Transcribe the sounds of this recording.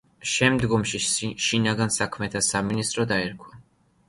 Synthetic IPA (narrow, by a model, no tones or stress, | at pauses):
ʃɛmd̪ɡɔmʃiʃinaɡansakʰmɛt̪ʰasaminist̪ʼɾɔd̪aɛɾkʰwa